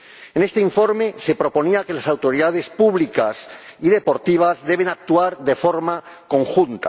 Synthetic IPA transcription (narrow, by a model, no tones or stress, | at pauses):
ene̞st̪eiɱfo̞ɾme̞se̞pɾo̞po̞niake̞lasawt̪o̞ɾiðað̞e̞spuβlikasiðe̞po̞ɾt̪iβ̞azðe̞β̞enak̚t̪uaɾðe̞fo̞ɾmako̞ŋxunt̪a̰